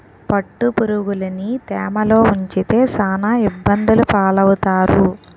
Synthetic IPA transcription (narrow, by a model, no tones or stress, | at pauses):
pɐʈːupuɾuɡulɐnit̪ɛːmɐlo̞ːuɲt͡ʃit̪e̞ːsaːnaibːɐnd̪ulupaːlɐwut̪aːɾu